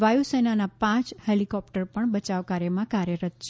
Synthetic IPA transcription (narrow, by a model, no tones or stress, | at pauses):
ʋajusenanapãt͡ʃhelikɔp̚ʈəɾpəɳbət͡ʃaʋkaɾjəmãkaɾjəɾət̪t͡ʃʰ